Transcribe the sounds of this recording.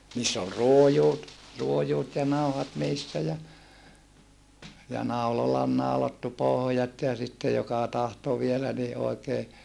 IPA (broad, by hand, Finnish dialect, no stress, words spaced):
niːsː ol ruojuːt juojuːt jɑ nɑuhɑt niːsːæ jɑ jɑ nɑulɑlɑ ol nɑulɑtːu pohŏjɑt jɑ sitːe jokɑ tɑhto ʋielæ ni ʔoikeː